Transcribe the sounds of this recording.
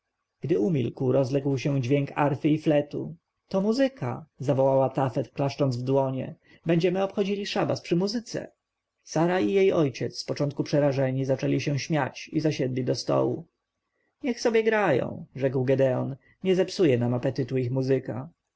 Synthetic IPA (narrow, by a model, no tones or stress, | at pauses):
ɡ̥d̪ɘumʲḭlkwɾɔzlɛɡwɕɛ̃d͡ʑvʲjeŋkaɾfɘiflɛt̪ṵ | t̪ɔmuzɘkʰa̰zavɔwawat̪afɛt̪klaʂt͡ʂɔnzvd̪wɔɲɛ̰ | bɛɲd͡ʑɛmɘɔpxɔd͡ʑilʲiʂaba̰spʂɘmuzɘt̪sɛ̰ | saɾaijejɔjt͡ɕɛt̪sspɔt͡ʂɔ̃nt̪̚kupʂɛɾaʐɛɲizat͡ʂɛlʲiɕɛ̃w̃ɕmʲjat͡ɕizaɕɛd̪lʲid̪ɔst̪ɔ̰wṵ | ɲɛxsɔbʲjɛɡɾajɔ̰̃w̃ʐɛkwɡɛd̪ɛɔ̰n | ɲɛzɛpsujɛnamapɛt̪ɘt̪uixmuzɘka